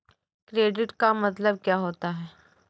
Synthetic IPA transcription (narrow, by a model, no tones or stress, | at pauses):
kɾeːɖɪʈkamɐt̪ləb̚kjaːɦoːt̪aɦɛː